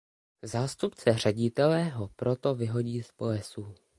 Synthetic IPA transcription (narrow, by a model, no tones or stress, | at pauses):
zaːst̪upt͡sɛr̝ɛɟɪt̪ɛlɛɦo̞pɾo̞t̪o̞vɪɦo̞ɟiːspoɛsuː